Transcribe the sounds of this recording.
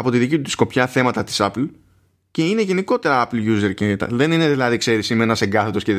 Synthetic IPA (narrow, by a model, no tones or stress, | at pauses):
ɐpo̞t̪iðicit̪ut̪isko̞pçɐθe̞mɐt̪ɐt̪i̥sɐpl̩ | ce̞ine̞ʝe̞niko̞t̪e̞ɾɐɐplʝuzeɾcent̪ɐ̰ðe̞nine̞ðilɐðikse̞ɾisimenɐseɡɐθet̪osce